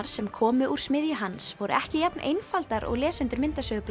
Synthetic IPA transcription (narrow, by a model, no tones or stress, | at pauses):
ɾ̥sɛmkʰɔːmʏʔuɾ̥smɪðjʏɦansvɔɾʏ̰ʔɛhcɪjɛpnʔḛjnfalt̪aɾɔ̰ɣlɛːsɛnt̪ʏɾmɪnt̪asœɣʏpl